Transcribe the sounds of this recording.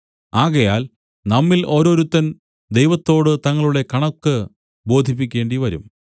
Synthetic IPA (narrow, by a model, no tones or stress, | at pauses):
aːɣɐjaːl | nɐmːilʔo̞ːɾo̞ːɾut̪ːɐn | d̪e̞jʋɐt̪ːo̞ːɽɨt̪ɐŋːɐɭuɽe̞kɐɳɐkːɨ | bo̞ːd̪ʱip̬ːikʲːe̞ːɳɖiʋɐɾum